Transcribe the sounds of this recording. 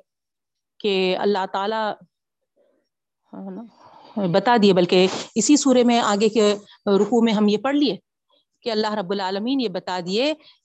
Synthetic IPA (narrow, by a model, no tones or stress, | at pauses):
keɐ̰lːaɦt̪aːla | bɐt̪ad̪iebɐlkeɪsisuːɾemẽaːɡeke | ɾʊkumẽɦɐmjepɐɽlieː | keɐlːaɦɾɐbːʊlaːləmiːnjebɐt̪ad̪ieː